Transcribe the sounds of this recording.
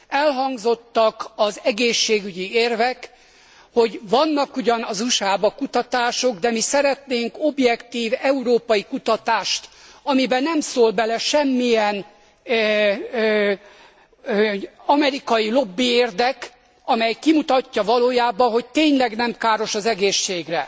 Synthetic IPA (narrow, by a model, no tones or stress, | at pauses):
ɛlɦɒŋɡzo̞t̪ːɒkɒzɛɡeːʃːeːɡyɟieːrvɛk | ho̞ɟvɒnːɒkuɟɒnɒzuʃaːbɒkut̪ɒt̪aːʃo̞ɡd̪ɛmisɛɾɛt̪neːŋko̞bjɛkt̪iːvɛuɾoːpɒjikut̪ɒt̪aːʃt̪ɒmibɛnɛmsoːlbɛlɛʃɛmːijɛn | ɒmɛɾikɒjilo̞bːieːrd̪ɛk | ɒmɛjkimut̪ɒcːɒvɒloːjaːbɒɦo̞c̚t̪eːɲlɛɡnɛmkaːɾo̞ʃɒzɛɡeːʃːeːɡrɛ